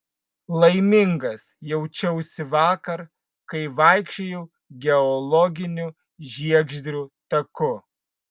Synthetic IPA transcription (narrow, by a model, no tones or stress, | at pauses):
lˠɐɪmʲɪŋɡɐsjɛʊt͡ʃʲɛʊsʲɪʋɑːkɐɾ | kɐɪʋɐɪkʃʲt͡ʃʲejɛʊ | ɡʲɛɔlˠɔɡʲɪnʲʊ | ʒʲiɛɡʒʲd̪ʲɾʲuːt̪ɐkʊ